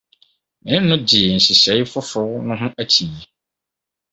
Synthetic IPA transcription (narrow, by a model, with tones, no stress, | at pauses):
mɪ̃˨˦nʊ̃˦dɪ˨ɛ˨n̩˨ɕi˨se˨˦i˦fʊ˦fʊ˦nʊ̃˦ɦʊ̃˦æ˦tʰi˨e˨